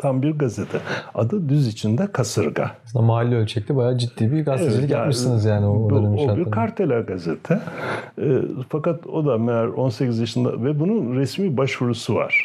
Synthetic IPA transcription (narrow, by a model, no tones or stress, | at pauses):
t̪ʰambiɾɡazet̪ʰɛa̰d̪ɯd̪yzit͡ʃʰind̪ɛkʰasɯɾɡa̰asɯnd̪amaːlʲːiølʲt͡ʃʰɛc̚lʲɛbajaːd͡ʒid̪ːiːbiɡased͡ʒilʲamiʃinɯzjaːniomʃoabiɾkʰaɾt̪ʰelʲaɡazḛt̪ʰɛ̰ | fakat̪o̞d̪amejaɾo̞nsecizjaʃɯnd̪a̰vɛbununɾɛsmiːbaʃvuɾusuva̰ɾ̥